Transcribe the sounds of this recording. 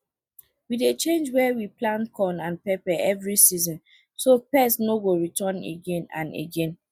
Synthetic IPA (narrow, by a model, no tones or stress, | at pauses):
widet͡ʃẽnd͡ʒwɛwiplãnkʰɔ̃nãnpɛpɛɛvɹisizɔ̃n | sopɛsnoɡoɹitɔ̃nḛɡẽnã̰nḛɡẽn